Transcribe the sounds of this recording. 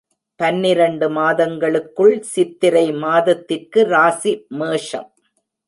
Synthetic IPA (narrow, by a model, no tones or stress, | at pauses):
pɐnːɪɾɐɳɖɯmaːðɐŋɡɐɭɯkːɯɭsɪt̪ːɪɾɐɪmaːðɐt̪ːɪrkɯɾaːsimeːʂɐ̰m